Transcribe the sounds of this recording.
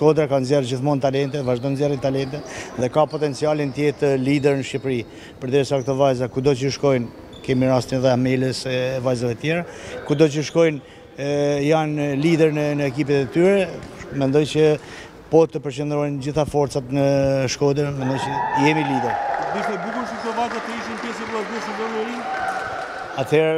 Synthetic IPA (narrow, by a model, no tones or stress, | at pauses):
ʃkɔd̪ɾakanzjɛrd͡ʑiθmɔnt̪alɛnt̪ɛvaʒd̪ɔnzjɛrint̪alɛnt̪ɛt̪ðɛkapɔt̪ɛnt͡sialint̪jɛt̪əlid̪ɛɾnəʃipɾi | pəɾd̪ɛɾsakt̪ɔvajzakud̪ɔt͡ʃəʃkɔjn | kɛmiɾast̪inɛðɛamɛləsɛvajzavɛt̪jɛɾakud̪ɔt͡ʃəʃkɔjn | janlid̪ɛɾnənəɛkip̬ɛt̪ɛt̪yɾɛmɛnd̪ɔjt͡ɕə | pɔt̪əpəɾt͡ɕənd̪ɾɔjnd͡ʑiθafɔɾt̪t͡sat̪nəʃkɔd̪əɾmɛnd̪ɔjt͡ʃəjɛmilid̪ɛɾd̪iʃɛd̪ukuʃək̚t̪ɔvajzat̪əiʃinpjɛs̬əblˠaɡuəsənbɔɾnɛɾin | at̪ʰhɛɾ